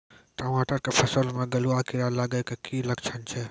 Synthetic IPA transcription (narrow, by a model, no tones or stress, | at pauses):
ʈəmaʈəɾkepʰəsəlmeɡəluakiɾalaɡəjkekiləkt͡ʃʰənt͡ʃʰɛ